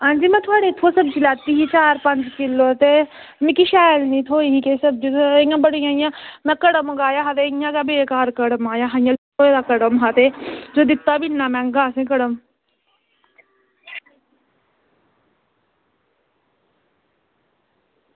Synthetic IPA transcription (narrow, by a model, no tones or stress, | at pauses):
ɦãːnd͡ʒiːmɛ̃ːt̪ʰʊaːɽeːt̪ʰoːsəbd͡ʒiːlɛːt̪ːiːɦiːt͡ʃaːɾpəɲd͡ʒkɪlːoːt̪eː | mĩːkiʃaːjlnĩːt̪ʰoːiːɦikesəb̚d͡ʒijãːbəɽiːãːɪjãːmɛ̃ːkəɽəmɡaːjaːɦat̪ejãːkaːbeːkaːɾkəɽəmaːjãːɦãjãː | oːeːd̪aːkəɽəmɦaːt̪eːd͡ʒoːd̪ɪt̪ːaːbɪnːãːmɛ̃ːŋɡaːsẽːk̬əɽəm